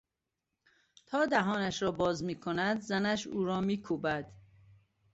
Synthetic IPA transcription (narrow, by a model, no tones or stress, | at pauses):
t̪ʰɒːd̪æɦɒːnæʃɾɒːbɒːzmiːkʰonæd̪zænæʃuːɾɒːmiːkʰuːbæd̪̥